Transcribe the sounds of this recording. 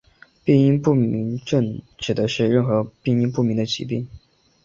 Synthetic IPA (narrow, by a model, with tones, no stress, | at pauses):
pi˥˧ŋi˥npu˥˩mi˧˥ŋʈ͡ʂə˥˩ŋt͡ɕɻ̩˨˩d̪ə˧˥ʂɻ̩˥˧ɻə˥˩nxɤ˧˥pi˥˧ŋi˥np̬u˥˩mi˧˥ŋd̪ə˧t͡ɕḭ˧˥pi˥˩ŋ